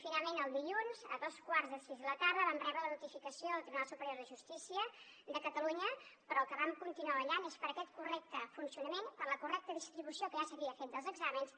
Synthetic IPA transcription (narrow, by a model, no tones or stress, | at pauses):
finalˠmenəlˠd̪iʎunzəðoskwaɾzðəsizðələt̪aɾðəβamrɛβɾələnut̪ifikəsioðəlˠt̪ɾiβunalˠsupəɾjoɾðəʒust̪isiə | d̪əkət̪əluɲəpəɾɔlˠkəβamkunt̪inuaəʎanespəɾəkɛt̪kurɛk̚t̪əfunsiunəmenpəɾləkurɛk̚t̪əðist̪ɾiβusiokəʒasəβiəfet̪d̪əlˠzəɡzaməns